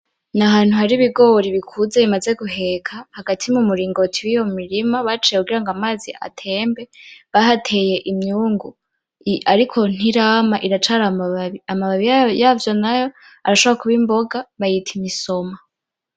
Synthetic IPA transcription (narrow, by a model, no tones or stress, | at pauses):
naɦaːn̥huhaɾiβiɡo̞ɾiβikʰuzeβimaze̞ɡuɦe̞kʰahaɡatʰimumuɾiːŋɡo̞tʰiwijo̞mmiɾimaβat͡ʃijekuɡiɾaŋɡamaːziʔa̰tʰe̞ːmbe̞βahatʰe̞je̞ʔimɲuːŋɡu | aɾikʰo̞n̥iɾaːmaʔiɾat͡ʃaːɾamaβaβiamaβaβijavjo̞najo̞ | aɾaʃoβɾakuβimbo̞ɡaβajitʰimiso̞ma